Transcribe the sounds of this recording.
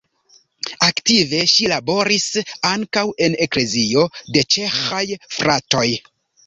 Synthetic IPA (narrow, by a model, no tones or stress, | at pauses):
aktive̞ʃilabo̞ɾisaŋkawe̞ne̞kle̞zio̞de̞t͡ʃe̞xajfɾato̞j